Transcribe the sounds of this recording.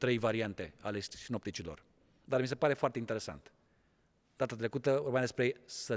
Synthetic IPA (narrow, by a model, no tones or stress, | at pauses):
t̪ɾe̞jvaɾiant̪e̞alessino̞p̚t̪it͡ʃilo̞̰r | d̪armis̬e̞paɾe̞foart̪eint̪ee̞sa̰nt̪ | d̪at̪at̪ɾe̞kut̪əvorbemad̪espɾesə